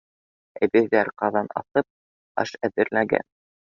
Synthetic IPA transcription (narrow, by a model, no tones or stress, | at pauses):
ɘ̆bɘ̆ðæɾqɑðɑnɑ̰θɤp̚ | ɑ̰ʃæðɘ̆ɾlæɡæ̰n